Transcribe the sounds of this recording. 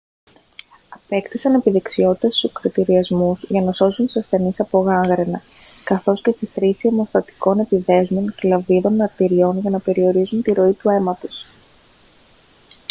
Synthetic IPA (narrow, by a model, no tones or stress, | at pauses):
ɐpe̞kt̪isɐne̞piðe̞ksio̞t̪i̥t̪ɐst̪usokɾit̪iɾiɐzmuzʝɐnɐso̞sunt̪i̥sɐsθe̞nisɐpo̞ɣɐŋɣɾe̞nɐ | kɐθo̞sce̞st̪iθɾisiomo̞st̪ɐt̪i̥ko̞ne̞piðe̞zmonclɐviðo̞nmɐɾt̪iɾio̞nʝɐnɐpe̞ɾio̞ɾizunt̪iɾo̞it̪ue̞mɐt̪o̞s